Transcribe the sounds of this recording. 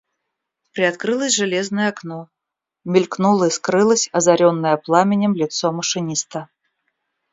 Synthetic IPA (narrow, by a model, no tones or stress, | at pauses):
pɾʲɪat̪kɾɨlˠəsʲʐɨlʲeznəjəaknɔ | mʲɪlʲknulˠəiskɾɨlˠəsʲɐzaɾʲonːəjəplˠamʲɪnʲɪmlʲɪt̪soməʂɨnʲist̪ə